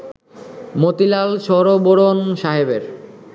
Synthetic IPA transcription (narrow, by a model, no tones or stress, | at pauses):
mot̪ilalʃɔɾoboɾonʃaɦebeɾ